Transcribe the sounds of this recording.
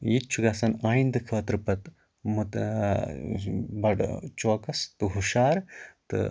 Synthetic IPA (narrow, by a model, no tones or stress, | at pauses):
jit̪̚t͡ʃʰuɡaːsɐnaːjind̪ɨkʰəːt̪ɾɨpɐt̪ | mut̪ | bɐɖt͡ʃoːkɐst̪ɨɦuʃaːɾt̪ɨ̰